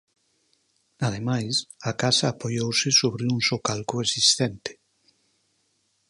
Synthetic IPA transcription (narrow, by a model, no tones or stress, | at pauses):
að̞emajsakasaːpojowsɪsoβɾɪuŋsokalkʊesist̪ɛnt̪ɪ̥